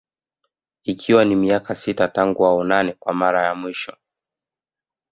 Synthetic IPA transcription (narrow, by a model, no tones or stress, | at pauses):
ikʰiwanimiakasitataŋɡuaɔnanɛkwamaɾajamwiʃɔ